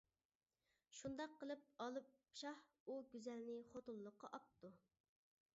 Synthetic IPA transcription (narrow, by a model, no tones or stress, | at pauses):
ʃund̪ɑqʰːəlˠɨp̚ɑlˠɨp̚ʃɑh | uɡʲyzɛlnɪχot̪ulˠːəqːɑʔɑp̚t̪u